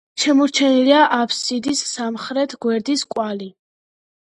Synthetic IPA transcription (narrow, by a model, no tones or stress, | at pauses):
ʃɛmɔɾt͡ʃʰɛniliaʔapʰsid̪isːamχɾɛt̪ʰɡwɛɾd̪iskʼwali